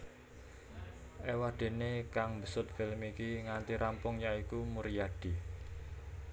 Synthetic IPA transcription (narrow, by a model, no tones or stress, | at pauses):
ʔewahd̪̥e̤nekaŋmbəsʊt̪̚filmikiŋant̪iɾʔampʊŋjaikumuɾijaɖ̥i̤